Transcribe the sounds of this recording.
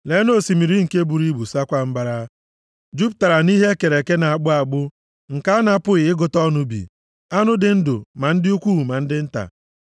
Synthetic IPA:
le˨˦no˦˨si˨mi˨ɾi˦ŋ̩˨ke˦bu˨ɾi˦bu˨sa˦kʷa˦m̩˦ba˦ɾa˦ | d͡ʒu˦p̚ta˨ɾa˨ni˦ɦe˦ke˨ɾe˨ke˦na˨a˨ɡ͡bʊ˦a˨ɡ͡bʊ˦ | ŋ̩˨ka˦a˦na˦pʊ˦ɣɪ˨ɪ˦ɡʊ˨tɔ˦nʊ˦bḭ˨ | a˦nʊ˦dɪ˨n̩˦dʊ̰˨ma˨n̩˦dɪ˦u˦kʷu˦˨ma˨n̩˦dɪ˦n̩˦ta̰˨

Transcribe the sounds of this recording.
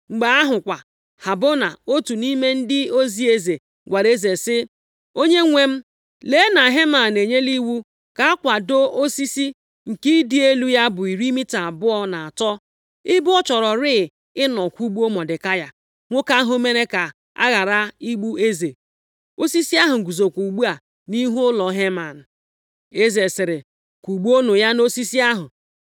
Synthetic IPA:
ŋ͡m̩˨ɡ͡ba˨a˦ɦʊ˨kʷa˨ | ha˨bo˦na˨o˦tu˨ni˦me˦n̩˦dɪ˦o˦zi˦e˦ze˨ | ɡʷa˨ɾe˦ze˨sɪ˦ | o˦ɲe˦ŋʷe˦m̩˦ | le˨˦na˨ɦe˦ma˨ne˨ɲe˦li˦wu˦ | ka˨a˦kʷa˨do˦o˦si˦si˦ | ŋ̩˨ki˦dɪ˦e˦lu˦ja˦bʊ˨i˨ɾi˦mi˦ta˨bʊ˦ɔ˦na˨a˨tɔ˦ | ɪ˦bɔ˦t͡ʃɔ˨ɾɔ˨ɾɪ˦˨ | ɪ˦nɔ˨kʷu˦ɡ͡bu˦o˦mɔ˨dɪ˨ka˦ja˦ | ŋʷo˦ka˦ɦʊ˦me˦ɾe˦ka˨ | a̰˦ɣa˨ɾa˦i˦ɡ͡bu˦e˦ze˨ | o˦si˦si˦a˦ɦʊ˨ɡu˨zo˨kʷu˨ɡ͡bu˦a˨ | ni˦ɦu˦ʊ˦lɔ˨˦ɦe˦ma˨n̩˨ | e˦ze˨sɪ˨ɾɪ˨ | ku˨ɡ͡bu˦o˦no˨ja˦no˦si˦si˦a˦ɦʊ˨

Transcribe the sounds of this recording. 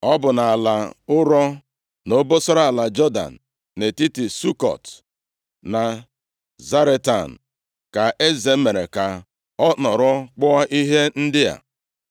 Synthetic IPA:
ɔ˦bʊ˨na˨la˨ʊ˦ɾɔ˦ | no˦bo˦sɔ˦ɾa˦a˨la˨d͡ʒɔ˦da̰˨n̩˨ | ne˨ti˦ti˨su˦kɔ̰˨t | na˨ | za˦ɾe˦ta˨n̩˨ | ka˨ʔe˦ze˨˦me˨ɾe˨ka˨ | ɔ˦nɔ˨ɾɔ˦k͡pʊ˦a˦ʔi˦ɦe˦n̩˦dɪ˦ja̰˨

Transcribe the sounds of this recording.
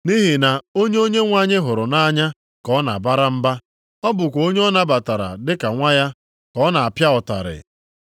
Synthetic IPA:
ni˦ɦi˨na˨o˦ɲe˦o˦ɲe˦ŋʷa˨ɲe˦ɦʊ˨ɾʊ˨na˦ɲa˦ | kɔ˦na̰˨ba˦ɾa˦m̩˦ba˦ | ɔ˦bʊ˨kʷo˦ɲ˦ɔ˦na˦ba˨ta˨ɾa̰˨dɪ˦ka˨ŋʷa˦ja˦ | kɔ˦na˨a˨pja˦ɔ˨ta̰˨ɾɪ̰˨

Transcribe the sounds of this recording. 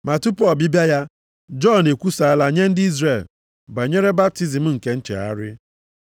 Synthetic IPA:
ma˨tu˦pɔ˦˨bi˦bja˦ja˦ | d͡ʒɔ˦ne˨kʷu˦sa˨a˦la˦ɲe˦n̩˦dɪ˦i˦zɾe˨l | ba˨ɲe˦ɾe˦ba˦p̚ti˦zi˨m̩˦ŋ̩˨ke˦n̩˦t͡ʃḛ˨a̰˦ɾɪ˦

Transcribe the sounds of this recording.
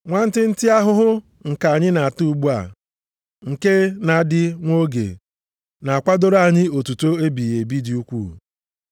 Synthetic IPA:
ŋʷa˦n̩˦tɪ˦n̩˦ti˦a˦ɦʊ˦ɦʊ˦ | ŋ̩˨ka˨a˨ɲɪ˦na˨a˨tu˦˨˦ɡ͡bu˦a̰˨ | ŋ̩˨ke˦na˨˦dɪ˦ŋʷo˦ɡḛ˨ | na˨a˨kʷa˦do˦ɾa˨ɲɪ˦o˨tu˨to˦e˦bi˨e˨bi˦di˨u˦kʷuː˦˨

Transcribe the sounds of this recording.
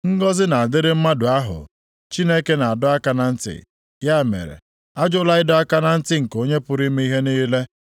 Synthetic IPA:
ŋ̩˦ɡɔ˦zɪ˦na˨a˨dɪ˦ɾɪ˦m̩˦ma˦dʊ˨a˦ɦʊ̰˨ | t͡ʃi˦ne˦ke˦na˨a˨dʊ˦a˦ka˦na˨n̩˦tɪ̰˨ | ja˦˨mḛ˨ɾḛ˨ | a˦d͡ʒʊ˦la˦ɪ˦dʊ˦a˦ka˦na˦n̩˦tɪ˦ŋ̩˨ko˦ɲe˦pʊ˨ɾi˦me˦i˦ɦe˦niː˦le˦

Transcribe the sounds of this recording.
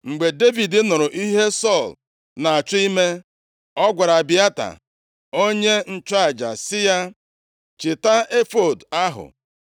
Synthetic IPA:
ŋ͡m̩˨ɡ͡be˨de˦vi˨dɪ˦nʊ˨ɾʊ˨ʔi˦ɦe˦sɔ˦˨l | na˨a˨t͡ʃʊ˦i˦me˦ | ɔ˦ɡʷa˨ɾa˨bɪ˦a˦ta̰˨ | o˦ɲe˦n̩˦t͡ʃa˦a˨d͡ʒa̰˨sɪ˦ja˦ | t͡ʃɪ˨ta˦e˦fo˨da˦ɦʊ̰˨

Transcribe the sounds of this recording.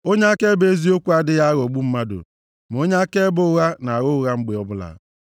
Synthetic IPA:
o˦ɲe˦a˦ke˦be˦zi˦o˦kʷu˦a˦dɪ˦ja˦ɣo˨ɡ͡bu˦m̩˦ma˦dʊ̰˨ | m˨o˦ɲe˦a˦ke˦bʊ˦ʊ˦ɣa˦na˨a˨ɣʊ˦ʊ˦ɣa˦ŋ͡m̩˦ɡ͡be˨ɔ˦bʊ˦la̰˨˦

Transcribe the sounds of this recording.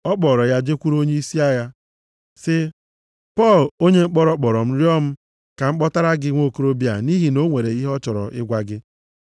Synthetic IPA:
ɔ˦k͡pɔ˨ɾɔ˨ja˦d͡ʒe˦kʷu˦ɾo˦ɲe˦i˦si˦a˦ja˦ | sɪ˦ | pɔ˦˨lo˦ɲe˦ŋ͡m̩˦k͡pɔ˦ɾɔ˦k͡pɔ˨ɾɔ˨m̩˦ɾjɔ˦m̩˦ | ka˨ŋ͡m̩˦k͡pɔ˦ta˦ɾa˦ɡɪ˦ŋʷo˦˨ko˦ɾo˦bi˦a̰˨ni˦ɦi˦no˦ŋʷe˨ɾe˨i˦ɦɔ˦t͡ʃɔ˨ɾɔ̰˨ʔɪ̰˦ɡʷa˦ɡɪ˦

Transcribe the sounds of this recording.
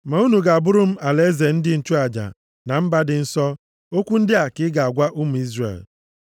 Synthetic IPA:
ma˨u˦nu˨ɡa˨a˨bʊ˦ɾʊ˦m̩˦a˨le˦ze˨n̩˦dɪ˦n̩˦t͡ʃu˦a˨d͡ʒa̰˨ | na˨m̩˦ba˦dɪ˨n̩˦sɔ˦ | o˦kʷu˦n̩˦dɪ˦a˨kɪ˦ɡa˨a˨ɡʷa˦ʔu˦m̩˨i˦zrḛ˨l

